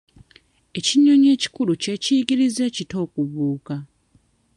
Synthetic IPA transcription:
e̞ciɲo̞ɲe̞ːci̥kuluce̞ːciːɡiɾize̞ːcito̞ːkuβuːka

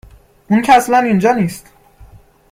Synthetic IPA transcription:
ʔuncʰææslænind͡ʒɒːniːst̪

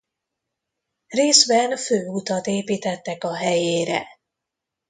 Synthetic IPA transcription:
reːzbɛnføːut̪ɒt̪eːpiːt̪ɛt̪ːɛkɒɦɛjeːɾɛ̰

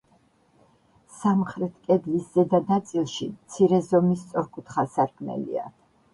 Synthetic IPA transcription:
samχɾɛt̪ʰkʼɛd̪lisz̥ɛd̪anat̪sʼilˠʃimt̪sʰiɾɛzɔmist̪sʼɔɾkʼut̪ʰχasaɾkʰmɛ̰lḭa̰

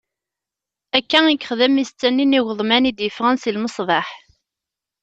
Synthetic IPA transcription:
ækːæikːəχðæmist͡sːænːiniwəðˤmænid̪jəfʁænsilməsˤðˤɑħ

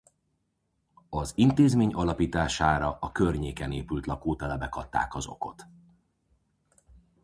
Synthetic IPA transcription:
ɒzint̪eːzmeːɲɒlɒpiːt̪aːʃaːɾɒʔɒkørɲeːkɛneːpylt̪lɒkoːt̪ɛlɛbɛkɒt̪ːa̰ːkɒzo̞̰ko̞̰t̪

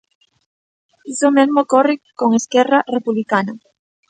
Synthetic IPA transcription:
isomezmokorɪkoŋeskɛrarepuβlikana

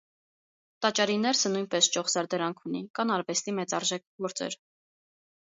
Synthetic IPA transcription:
t̪ɑt͡ʃɑɾinɛɾsənujnpɛst͡ʃɔχsɑɾd̪ɛɾɑŋkʰunikɑnɑɾvɛst̪imɛt͡sɑɾʒɛk̚ʰɡɔɾt͡sɛ̰ɾ

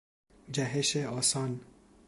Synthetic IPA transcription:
d͡ʒæɦeʃeɔːsɑːn

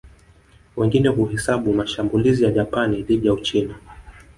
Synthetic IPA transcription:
wɛŋɡinɛɦuɦɛsaɓumaʃambulizijaʄapaniðiɗijaut͡ʃina

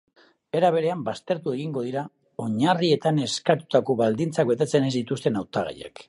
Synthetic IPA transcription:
e̞ɾaβe̞ɾe̞ambast̪e̞ɾt̪ue̞ɣiŋɡo̞ð̞iɾa | o̞ɲarie̞t̪ane̞skat̪u̥t̪ako̞βald̪int͡sakbe̞t̪e̞t͡se̞ne̞zd̪it̪ust̪e̞nawt̪aɣa̰ja̰k

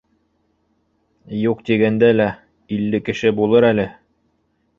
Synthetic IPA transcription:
juqt̪iɡænd̪ælæ | ilːɘkɘ̆ʃɘbulˠɤɾælɘ

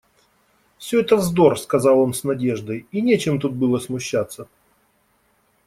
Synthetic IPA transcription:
fsʲɵɛt̪əzd̪o̞rskɐzɑlˠo̞nsnɐdʲe̞ʐd̪əjinʲet͡ɕɪmt̪ut̪̚bɨlˠəsmʊɕːat̪sːə

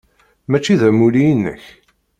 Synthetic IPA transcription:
mæt͡ʃːiðæmulijənːə̰ç

